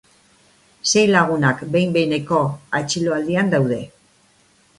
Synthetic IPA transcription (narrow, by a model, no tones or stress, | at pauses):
se̞jlaɣ̞unakbe̞jmbe̞ne̞ko̞at͡ʃiloald̪iand̪awðe̞